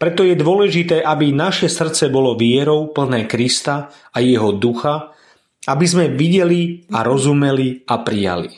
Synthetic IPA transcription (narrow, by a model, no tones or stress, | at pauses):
pɾɛt̪ɔjɛd̪ʊɔlɛʒit̪ɛːʔabinaʃɛsr̩t̪t͡sɛbɔlɔʋɪɛɾɔʊpl̩nɛːkɾist̪a | ajɛɦɔd̪uxa | abizmɛʋiɟɛliaɾɔzumɛliapɾija̰lḭ